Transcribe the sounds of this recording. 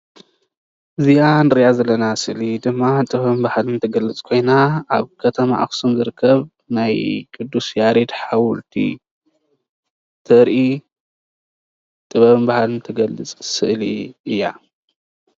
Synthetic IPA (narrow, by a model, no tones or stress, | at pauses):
ʔɨzijanɨɾjazɐlːɐnasɨʔlid̪ɨmːat̪ʼɨβɐβɨnbahalnt̪ʰɐɡɐlːɨt͡sʼkʰo̞jnaaβkʰɐt̪ʰɐma̰ʔa̰xsunzɨɾɨkʰːɐβ | najkʼɨd̪ːusjaɾed̪ħawʊlt̪ʰḭ | t̪ʰɐɾʔi | t̪ʼɨβɐβnbahalnɨt̪ʰɐɡɐlːɨt͡sʼsɨʔliɨjːa̰